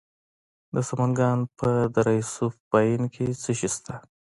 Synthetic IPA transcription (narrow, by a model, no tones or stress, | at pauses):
d̪əsamanɡɑnpʰəd̪aɾɑjsufbɑjinkʰet͡səʃist̪ʰa